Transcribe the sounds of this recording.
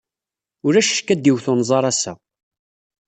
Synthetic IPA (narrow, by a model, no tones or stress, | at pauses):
ʊɾæʃʃkːæd̪iwθʊnzˤɑɾˤɑsːæ